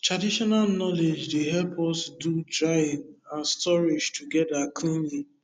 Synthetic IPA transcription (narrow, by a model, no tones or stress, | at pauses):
tɹadiʃɔnalnɔled͡ʒdeɦɛlpʰɔsdudɹajɪ̃ŋãnstɔɹid͡ʒtʰuɡɛdakʰũmi